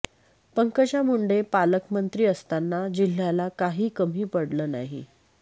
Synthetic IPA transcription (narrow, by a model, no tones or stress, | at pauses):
pəŋkət͡ɕjamuɳɖepaləkmənt̪ɾiːəst̪anːad͡ʑil̤ːjalakaɦiːkəm̤iːpəɽləːna̰ɦḭ